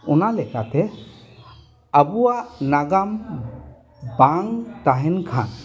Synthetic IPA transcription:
ɔnalɛkat̪ɛ | abuwanaɡam | baŋt̪aɦɛnkʰa̰n

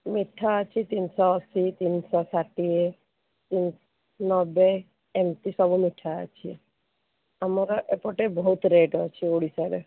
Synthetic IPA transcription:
miʈʰːaət͡ʃʰit̪insɔːsit̪insɔsaʈie | t̪in | nɔbe | emtisɔbumiʈʰːaa̰t͡ʃʰie | amɔɾɔʔepɔʈebɔɦut̪ɾeʈɔt͡ʃʰioɽisaɽḛ

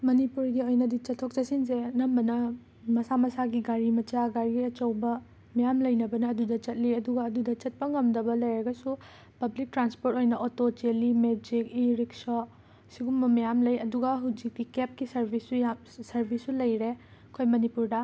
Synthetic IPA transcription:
mɐnipuɾɡiojnɐdit͡ʃɐtʰːok̚t͡ʃɐsinsenɐmbɐnɐ | mɐsamɐsaɡiɡaɾimɐt͡ʃaɡaɾiɡiɐt͡ʃɐwbɐ | mɐjamlɐjnɐbɐnɐːdudɐt͡ʃɐt̚liɐduɡɐːdudɐt͡ʃɐt̚pɐŋɐmdɐbɐlɐjɾɐɡɐsu | pɐblik̚tɾanspoɾtojnɐʔotot͡ʃelimed͡ʒikiɾikso | siɡumbɐmɐjamlɐjɐduɡɐɦud͡ʒik̚dikep̚kisɐɾbʱisːujam | sɐɾbʱisːulɐjɾe | kʰojmɐnipuɾdɐ

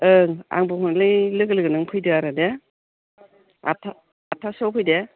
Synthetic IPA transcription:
ɯŋa̰ŋbɯɦʰɔnlɯjlɯɡɯlɯɡɯnɯŋpʰɯjdɯaɾade | a̰tʰa | atʰasɔwpʰɯjde

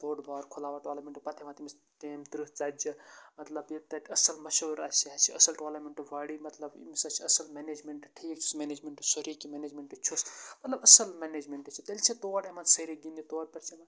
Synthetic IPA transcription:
t̪oːɖbʱaːɾkʰolaːʋaʈoːlɐɾmeɳʈɨpɐt̪ʰeʋãːt̪imis | t̪eːmt̪ɾɨɦt͡sɐd͡ʒɐmɐt̪lɐbjit̪ɐɐsɐlmɐʃoːɾa̰t͡ʃʰiɦɐt͡ʃʰiɐsɐlʈoːlɐɾmeɳʈɨʋaːɽimɐt̪lɐbḭmisɐt͡ʃʰiɐsɐlmened͡ʒmeɳʈʈʰiːkmeːneːd͡ʒmeɳʈɨsoɾikimeneːd͡ʒmeɳʈɨt͡ʃʰosmɐt̪lɐbɐsɐlmened͡ʒmeɳʈɨt͡ʃʰit̪ɐlʲt͡ʃʰit̪oːɽemɐnsɐɾiɡinit̪oːɽ̚pɐɾt͡ʃʰimɐn

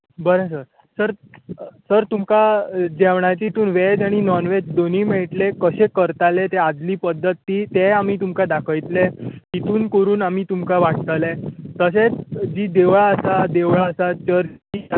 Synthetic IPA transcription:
bəɾesəɾ | səɾsəɾt̪umkad͡ʑɛʋɳat͡ɕit̪uːnʋed͡zaɽ̃inɔnʋed͡ʑd̪oniːmɛɭʈlekəɕẽkəɾt̪alet̪ead͡zliːpəd̪ːət̪ːiːt̪eam̤iːt̪umkad̪akʰəjt̪let̪it̪uːnkəɾuːnamiːt̪umkaʋaʈ̚t̪əlet̪əset͡sd͡ʑiːd̪eʋɭaəsad̪eʋɭaəsat͡ɕəɾiː

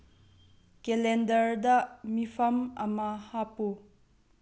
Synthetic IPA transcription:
kelɛndɐɾd̪ɐmipʰɐmɐmɐhapu

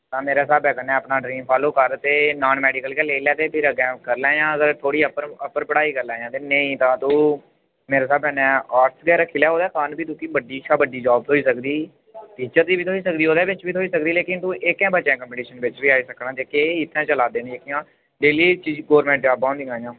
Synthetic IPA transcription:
t̪ãːmeːɾeːs̬aːbɛːkənɛ̃ːəpnaːɖɾĩːmpʰaːloːkəɾt̪eːnaːnmɛːɖiːkəlkɛːleːlɛːt̪eːpʰɪɾəɡɛ̃ːkəɾlɛ̃ːjãːzəɾt̪ʰoːɽiːəpəɾəpːəɾpəɽaːiːkəɾlɛ̃ːjãːt̪eːnəĩːt̪ãːt̪uː | meːɾeːs̬aːbɛːnɛ̃ːaːɾsɡɛːɾkʰɪlaːɦoːd̪aːkaːnbiːt̪uːkibəɖiːʃʰaːbəɖiːd͡ʒaːb̚t̪ɦoːiːsəkd̪iː | p̪iːt͡ʃəɾd̪iːbiːt̪ʰoːiːsək̚d̪iːɦoːd̪ɛːbɪt͡ʃbiːt̪ʰoiːsəkd̪iːleːkɪnt̪ũːʔɪkɛ̃ːbəːʃɛ̃ːkəmpeʈiːʃənbɪt͡ʃʋiːaːiːsəknaːd͡ʒ̪eːkeːɪt̪ʰːɛ̃ːt͡ʃəlaːd̪eːnːd͡ʒeːkɪãː | ɖeːliːt͡ʃiːd͡ʒɡoːɾmɛ̃ːɳʈ̚d͡ʒaːbãːnd̪iːãːjãː

